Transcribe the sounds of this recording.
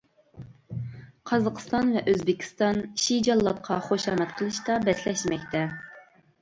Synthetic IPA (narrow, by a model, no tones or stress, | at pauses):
qʰɑzɑqʰst̪ɑnvɛʔøzbɪkʲʰi̥st̪ɑnʃid͡ʒɑlˠːɑt̪̚qʰɑχoʃɑːmɛt̪qʰəlˠɨʃt̪ɑbɛslɛʃmɛkʲt̪ʰɛ